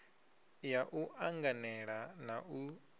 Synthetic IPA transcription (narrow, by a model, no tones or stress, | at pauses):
jaʔuʔaŋɡanɛɺanau